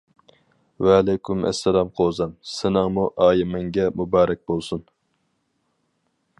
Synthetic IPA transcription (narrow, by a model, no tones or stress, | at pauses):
wɛːlɛjkʰʲymɛ̰sːɛlɑmqʰoːzɛmsɪnɨŋmuʔɑːjimɛŋɡʲɛmubɑːɾɛk̚ʲbolˠsun